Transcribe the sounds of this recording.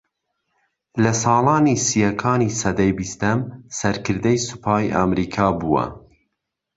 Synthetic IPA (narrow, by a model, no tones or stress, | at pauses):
lɐsɑːlˠɑːniːsijɐkʰɑːniːsɐd̪ɐjbist̪ɐmsɐɾkʰɨɾd̪ɐjsɨ̥pʰɑːjʔamɾiːkʰɑːbuːwɐ̰